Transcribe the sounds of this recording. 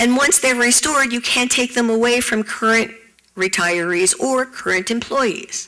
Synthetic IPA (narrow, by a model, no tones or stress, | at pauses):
ɨ̃nwʌ̃nsðəɹɹistɔɹdjɨkʰæ̃ntʰeɪk̚ðə̃məweɪfɹʌ̃mkʰɜ˞ɨ̃nʔ | ɹitʰaɪə˞izəɹkʰɜ˞ɨ̃ntɨ̃mpʰl̥ɔɪḭz̥